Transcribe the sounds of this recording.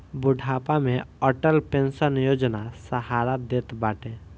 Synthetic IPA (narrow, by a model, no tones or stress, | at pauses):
bʊɖʱaːpamẽɔːʈəlpẽnsənjoːd͡ʒnasəɦaːɾad̪eːt̪baːʈẽː